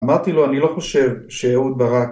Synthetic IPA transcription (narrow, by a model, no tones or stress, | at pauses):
maʁt̪ilo̞anilo̞χo̞ʃe̞vʃeaut̪̚baʁa